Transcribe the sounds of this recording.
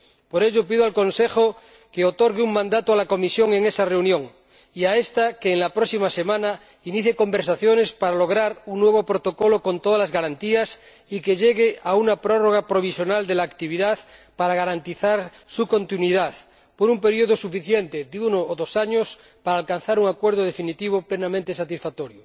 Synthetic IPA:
po̞ɾe̞ʎopiðoalko̞nseχo | keot̪o̞ɾɣeuŋmãnd̪at̪oalako̞misjo̞ŋeŋe̞sare̞unjõ̞ŋ | iae̞st̪akeːŋlapɾoksimase̞mãna | iniθjeko̞mbeɾsaθjo̞ne̞spaɾalo̞ɣ̞ɾaɾuŋnːwe̞β̞o̞pɾot̪o̞ko̞lo̞ko̞nt̪o̞ðalazɣaɾant̪ias | ikeʎeɣeaunapɾoroɣ̞apɾo̞β̞isjonald̪elaːkt̪iβ̞iðaθpaɾaɣaɾant̪iθaɾ | suko̞nt̪inwiðaθ | poɾumpe̞ɾioð̞osufiθjent̪ed̪eunoːðosaɲos | paɾaːlkan̟θaɾuŋakweɾð̞oð̞e̞finit̪iβ̞oplenamẽnt̪esat̪isfat̪oɾjo

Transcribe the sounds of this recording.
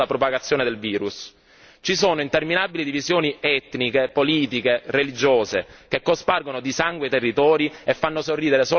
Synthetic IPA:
apɾopaɡat̪sːjoːned̪elviːɾus | t͡ʃisoːnoint̪erminabilid̪ivizjoːniɛt̪nikepoliːt̪ikerelid͡ʒoːzekekːosparɡonod̪isaŋɡwet̪erːit̪ɔːɾiefːanːosorːiːd̪eɾesoː

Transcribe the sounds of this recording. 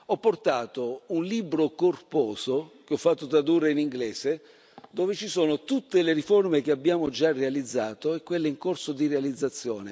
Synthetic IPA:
ɔpːort̪aːt̪ounliːbɾokorpɔːsok̟eɔfːat̪ːot̪ɾad̪urːeiniŋɡlɛːse | d̪oːvet͡ʃisoːnot̪ut̪ːeleɾiformek̟eabːjaːmod͡ʒarːealid̪zːaːt̪oɛkːwelːeiŋkorsod̪irealid̪zːat̪sːjɔ̰ːne

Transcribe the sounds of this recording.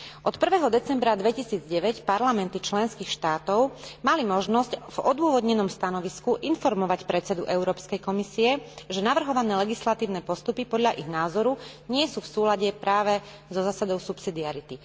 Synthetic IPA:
ʔɔt̪pr̩ʋɛːɦɔd̪ɛt͡sɛmbɾad̪ʋɛcisiːd͡zɟɛʋɛcpaɾlamɛnt̪it͡ʃlɛnskiːxʃt̪aːt̪ɔʊmalimɔʒnɔscvɔd̪ʊɔʋɔd̪ɲɛnɔmst̪anɔʋiskuʔinfɔɾmɔʋacpɾɛt͡sɛd̪uʔɛʊɾɔːpskɛjkɔmisiɛʒɛnaʋr̩ɦɔʋanɛːlɛɡislat̪iːʊnɛːpɔst̪upipɔd̪ʎaʔiɣnaːzɔɾuɲɪɛsuːfsuːlaɟɛpɾaːʋɛ | zɔzaːsad̪ɔʊsupsid̪iaɾit̪i

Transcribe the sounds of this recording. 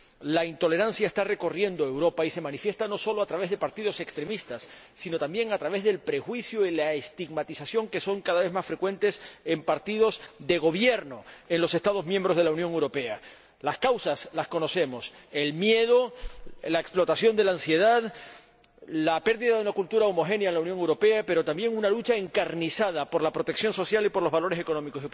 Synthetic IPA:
laint̪o̞le̞ɾansjaest̪are̞ko̞rje̞nd̪oe̞wɾo̞paise̞mãnifje̞st̪ano̞so̞lo̞at̪ɾaβe̞zðe̞paɾt̪iðo̞se̞kst̪ɾe̞mist̪asː | ino̞t̪ambje̞ŋat̪ɾaβe̞zðe̞lpɾe̞xwisjoilaest̪iɣmat̪isasjo̞ŋke̞so̞ŋkaðaβe̞zmasfɾe̞kwe̞nt̪e̞se̞mpaɾt̪iðo̞zðe̞ɣ̞o̞β̞je̞ɾno̞e̞nlo̞se̞st̪aðo̞zmjẽmbɾo̞zðlaunjoŋewɾo̞pe̞a | laskawsaslasko̞no̞se̞mo̞se̞lmje̞ð̞o̞laeksplo̞t̪asjo̞nd̪e̞laːnsje̞ð̞að | lape̞ɾðiðaðunakult̪uɾaomo̞xe̞njaenlaunjoŋewɾo̞pe̞ape̞ɾo̞t̪ambje̞ŋunalut͡ʃae̞ŋkaɾnisað̞apo̞ɾlapɾo̞t̪eksjo̞nso̞sjalipo̞ɾlo̞zβalo̞ɾe̞s̬e̞ko̞no̞miko̞si

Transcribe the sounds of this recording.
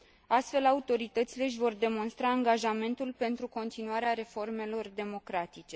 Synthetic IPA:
ast̪fe̞laut̪o̞ɾit̪ət̪sile̞ʃ̬ʲvo̞rd̪e̞mo̞nst̪ɾaːŋɡaʒame̞nt̪ulpe̞nt̪ɾuko̞nt̪inuaɾeaɾe̞fo̞rme̞lo̞rd̪e̞mo̞kɾat̪it͡ʃe̞

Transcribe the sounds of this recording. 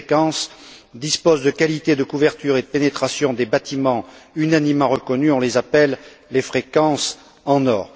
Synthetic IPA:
kɑ̃s | d̪ispozd̪əkalit̪ed̪əkuvɛʁt̪yʁed̪əpenet̪χasjɔ̃d̪ebat̪imɑ̃ynanimːɑ̃ʁəkɔnyɔ̃lezapɛlː | efχekɑ̃s | ɑ̃nɔːʁ

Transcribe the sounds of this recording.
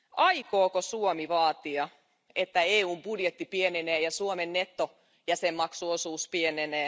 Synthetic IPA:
ʔɑikoːkosuomiʋɑːt̪iɑ | et̪ːæeːuːmb̥udjet̪ːipieneneːjɑsuomenːet̪ːo | jæsemːɑksuosuːspieneneː

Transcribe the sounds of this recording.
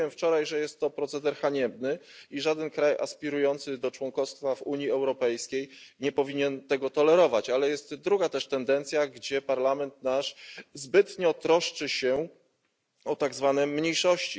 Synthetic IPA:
ɛmft͡ʂɔɾajʐɛjɛst̪ːɔpɾɔt̪sɛd̪ɛɾxaɲɛbnɘiʐad̪ɛnkɾaja̰spʲiɾujɔnt̪sɘd̪ɔt͡ʂwɔŋkɔst̪favuɲjiɛwɾɔpɛjskʲejɲɛpɔvʲiɲɛnt̪ɛɡɔt̪ɔlɛɾɔvat͡ɕalɛjɛst̪d̪ɾuɡat̪ɛʂt̪ɛnd̪ɛnt̪sʲjaɡd͡ʑɛpaɾlamɛnt̪naʂzbɘt̪ɲɔt̪ɾɔʂt͡ʂɘɕɛ | ɔt̪aɡzvanɛmːɲejʂɔɕt͡ɕi

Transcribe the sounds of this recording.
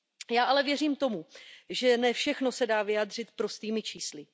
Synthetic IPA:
jaːʔalɛvjɛriːmt̪o̞muʒɛnɛfʃɛxno̞sɛdaːvɪjaːdr̝ɪt̪pɾost̪iːmɪt͡ʃiːslɪ

